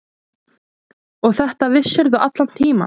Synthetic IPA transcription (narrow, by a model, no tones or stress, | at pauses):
ɔɣθɛht̪avɪsɛɾðʏʔat̪lan̥t̪ʰiːma̰